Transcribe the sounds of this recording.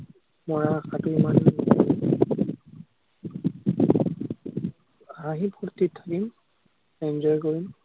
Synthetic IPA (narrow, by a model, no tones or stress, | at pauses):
mɔɹakatʊimanɔnɔɔ | aɦĩpʰuɹt̪itʰːakim | ɛnd͡ʒɔjkoɹim